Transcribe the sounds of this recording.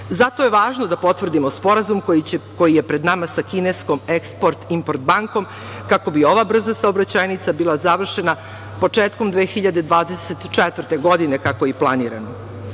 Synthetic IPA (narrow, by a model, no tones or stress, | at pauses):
zat̪o̞je̞ʋaːʒnod̪apo̞t̪vrd̪imospo̞ɾazumkko̞jije̞pɾed̪namasakinesko̞mekspoɾt̪impoɾt̪̚baŋko̞m | kako̞bio̞ʋabr̩zasaobɾat͡ɕajnit̪sabilˠazaʋr̩ʃe̞na | po̞t͡ʂeːt̪ko̞md̪ʋeːxiʎad̪ed̪ʋaːd̪ese̞t̪t͡ʃɛt̪vər̩t̪e̞ɡo̞d̪inekako̞iplˠaniːɾa̰no